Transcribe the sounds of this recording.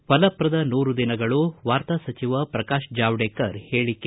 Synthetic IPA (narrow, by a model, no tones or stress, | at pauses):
ʋɐlɐpɾɐd̪ɐnuːɾud̪inɐɡɐɭuʋaːɾt̪asɐt͡ʃiʋɐpɾɐkaːʃd͡ʒaːʋɖeːkɐɾhe̞ːɭikːe